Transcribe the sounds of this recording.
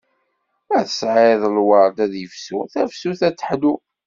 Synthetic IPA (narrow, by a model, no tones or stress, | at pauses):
æθə̥sʕɪðˤəlwɑɾˤd̪æðjəfsuθæfsuθæt͡sːə̥ħd̪u